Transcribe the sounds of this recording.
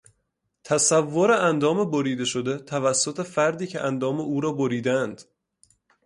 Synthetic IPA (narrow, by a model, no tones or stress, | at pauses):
t̪ʰæsævːoɾeænd̪ɒːmeboɾiːd̪e̞ʃod̪et̪ʰævæsːot̪ʰe̞fæɾd̪iːcʰeʔænd̪ɒːmeʔuːɾɒːboɾiːd̪ænd̪̥